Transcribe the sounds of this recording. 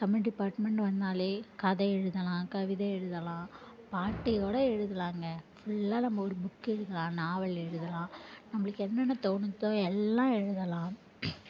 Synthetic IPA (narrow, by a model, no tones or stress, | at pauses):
sɐmɪnɖɪpːaːɾʈmɛɳʈʋɐnd̪aːleːkɐðɐɛɻɯðɐlãːkɐʋɪðɐɛɻɯðɐlãː | paːʈːɪjoːɽɐɛɻɯðɐlaːŋɡɐfʊɭːaːnɐmːɐɔɾɯbʊkːɛɻɯðɐlãːnaːʋɐlɛɻɯðɐlãːnɐmːɐɭɯkːɛnːɐnːɐt̪oːnɯt̪ːõːɛlːãːɛɻɯðɐlãː